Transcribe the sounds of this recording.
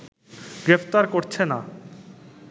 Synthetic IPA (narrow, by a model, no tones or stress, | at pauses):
ɡ̥ɾept̪aɾkoɾt͡ɕʰena